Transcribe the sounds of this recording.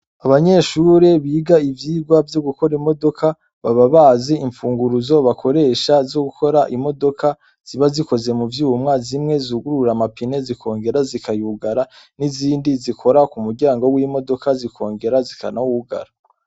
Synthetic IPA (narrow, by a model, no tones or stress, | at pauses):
aβaɲe̞ːʃuɾe̞βiːɡaivjiːɡwavjo̞ɡuko̞ɾimo̞do̞kʰa | βaβaβaːziiɱfuːŋɡuɾuzo̞βakʰo̞ɾe̞ːʃazo̞ɡukʰo̞ɾaʔimo̞do̞ka | z̥iβaziko̞ze̞muvjuːwumŋaːzimŋe̞zuːɡuɾuɾamapine̞zikʰo̞ːŋɡe̞ɾazikʰajuːɡaɾa | niziːndizikʰo̞ɾakumuɾɟaːŋɡo̞wiːmo̞do̞kazikʰo̞ːŋɡe̞ɾazikʰa̰nauuɡa̰ɾa